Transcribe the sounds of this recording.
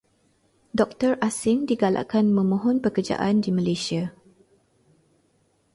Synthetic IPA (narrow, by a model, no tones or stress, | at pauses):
dɔk̚t̪ərʔasɪŋdiɡala̰kanmə̃mɔ̃ɦɔnpəkərd͡ʒa̰ʔandimãlesia